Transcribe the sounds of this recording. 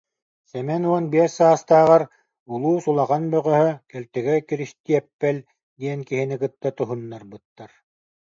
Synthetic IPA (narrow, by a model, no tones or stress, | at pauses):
sɛmɛnuɔnbiɛɾsaːst̪aːʁaɾ | ulˠuːsulˠaʁanbœʁœɦœkɛlt̪ɛɡɛkiɾist̪iɛpːɛl | d̪iɛnkiɦinikɯt̪ːat̪uɦunːaɾbɯt̪ːaɾ